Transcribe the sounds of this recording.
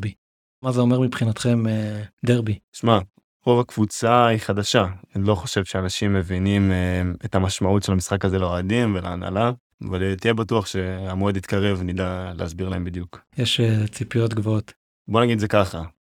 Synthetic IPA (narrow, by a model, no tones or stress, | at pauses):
bi | mazeo̞meʁmipχinat̪χe̞med̪eʁbiʃma | ʁo̞vakv̥ut͡saiχad̪aʃaanilo̞χoʃe̞vʃeanaʃimːe̞vinimeetamaʃmautʃelamisχakazeleoadimvelaːna̰la | a̰valt̪ijebatuaχʃe̞amoed̪it̪kaʁe̞vnid̪alḛasbiʁlae̞mbid̪jukjeʃet͡sipijot̪ɡvoot̪ | bonaɡid̪zekaχa